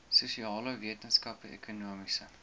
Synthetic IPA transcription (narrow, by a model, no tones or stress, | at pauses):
susiɑːləviətənskɐpəḛkʰunuəmisə